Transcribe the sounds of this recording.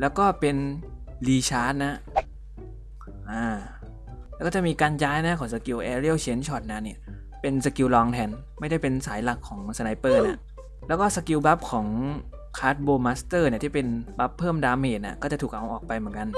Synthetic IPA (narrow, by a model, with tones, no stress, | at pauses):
lɛː˦˥wkɔː˥˩pe˧n | liː˧t͡ɕʰaː˦˥t̪̚na˦˥ʔ | ʔaː˧˩ | lɛː˧˦˥kɔː˥˩t͡ɕa˨˩miː˧kaː˧njaː˦˥jna˦˥kʰɔː˩˦ŋsa˧ki˧wʔɛː˧ɾi˥˩ə˨wt͡ɕʰe˦˥nt͡ɕʰɔː˨˩t̪̚na˦˧˥ni˧˥˩ɐ | pe˧nsa˧ki˧wlɔː˧ŋt̪ʰɛː˧n | ma˥˩jda˥˩jpe˧nsaː˩˦jla˨˩kʰːɔː˩˦ŋsa˧na˧˥jpɤː˥˩na˦˥ʔ | lɛː˦˥wkɔː˥˩sa˧ki˧wba˦˥p̚kʰɔː˩˦ŋ | kʰaː˦˥t̪̚boː˧maː˦˥st̪ɤː˥˩ni˥˩˨iː˥˩pe˧nba˦˥pʰːɤː˥˩mdaː˧mheː˨˩t̪̚nḭ˧˥˩kɔː˥˩t͡ɕa˨˩t̪ʰuː˨˩kʔa˧wʔɔː˨˩k̚pa˧jmɯ˩˦nka˧n